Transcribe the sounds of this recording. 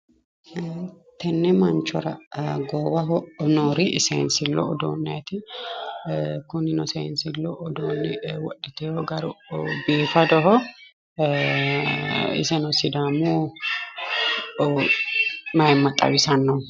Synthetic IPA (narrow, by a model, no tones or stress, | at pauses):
t̪ɛnːɛmɐnt͡ʃɔɾɐ̰ɡɔwɐɦɔnoːɾiʔɪsɛnsɪlːɔ̰ːd̪o̰ːnːɐt̪ɪ | kʊnːɪnɔsɛɪnsɪlːɔʔːd̪oːnːɪwɔɗːɛt̪ɛjoɡɐɾʊbiːfɐd̪ɔɦɔ | ɪ̰sɛnɔsɪd̪aːmuː | mɐjɪmːɐt̪ʼːɐ̰wɪsɐnːɔ